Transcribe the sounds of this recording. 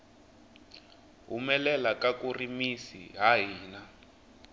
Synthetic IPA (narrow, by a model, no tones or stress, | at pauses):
ɦumɛlɛlakakurimisḭɦaɦiːna